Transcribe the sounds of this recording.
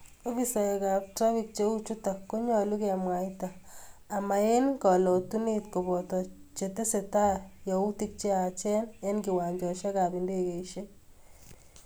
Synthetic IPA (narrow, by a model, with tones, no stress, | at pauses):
o˦fi˦sa˨e˨ka˨p̚tɾa˦fi˨k̚t͡ʃe˦u˦t͡ʃu˦ta˨ko˦ɲɔ˨lu˦ke˦a˨mwa˨itaː˨ma˨e˦nkɔ˨lɔ˨tu˦nitko˨bɔ˨tɔ˨t͡ʃe˨te˦se˨ta˦ja˨u˦ti˦k̚t͡ʃe˦a˨t͡ʃɛ˦ne˦nɡi˨wa˨ɲd͡ʒɔ˨ʃa˦ka˨bi˨nde˦ke˨iʃe˦